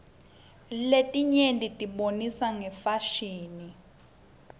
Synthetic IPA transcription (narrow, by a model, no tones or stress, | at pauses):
letʼiɲentʼitʼiɓonisaŋɛfaʃiːni